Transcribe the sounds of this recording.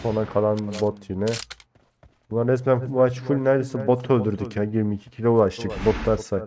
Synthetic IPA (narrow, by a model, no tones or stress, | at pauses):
onakʰalˠanbot̪ʰːinɪ | bunˠaɾɛs̬mænuat͡ʃfulʲnæɾd̪esɛbot̪ʰːølʲd̪yɾd̪icʰɛjiɾmiːcʰi̥cʰilʲɛulˠaʃt̪ɯcbot̪d̪æɾsa